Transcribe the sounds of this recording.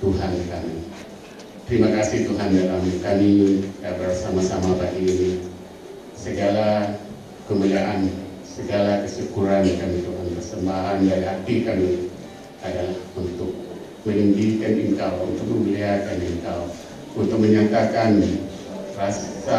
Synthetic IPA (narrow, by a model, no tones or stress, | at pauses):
t̪uɦankami | t̪əɾimakasɪht̪uɦandalamkamiabərsamasamabaʔini | səɡala | kəmuliaʔan | səɡalakəsəkuɾankamit̪uɦanpərsəmbaɦandaɾiɦat̪ikami | adalahunt̪ʊk̚ | məlindikanəŋkawunt̪ʊk̚məməliakaniŋkaw | unt̪ʊk̚məɲat̪akan | rasa